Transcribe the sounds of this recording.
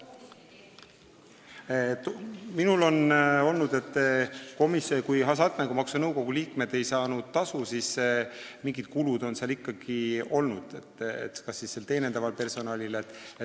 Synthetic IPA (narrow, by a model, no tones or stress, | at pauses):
t̪minulo̞no̞lnud̪e̞t̪ːˑko̞misokujɦɑs̬ɑt̪̚næɡumɑksunɤwko̞ɡ̥uliːkme̞d̪e̞jsɑːnud̪̥̚t̪ɑsusis | miŋɡid̪̥̚kulud̪̥o̞nseɑlikːɑɡ̥io̞lnud̪̥et̪ːḛt̪ːkɑsːisse̞lt̪e̞ːne̞nd̪ɑvɑlpe̞rso̞nɑlʲilet̪ːˑe